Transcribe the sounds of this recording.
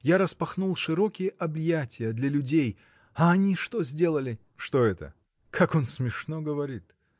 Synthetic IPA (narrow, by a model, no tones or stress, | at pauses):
jaɾəspɐxnulˠʂɨɾokʲɪjəʔɐbjatʲɪjəd̪lʲɐlʲʊdʲej | ɐɐnʲiʂt̪ozʲdʲe̞lˠəlʲɪ | ʂt̪o̞ɛt̪ə̰ | kʰako̞nsmʲɪʂnoɡəvɐɾʲit̪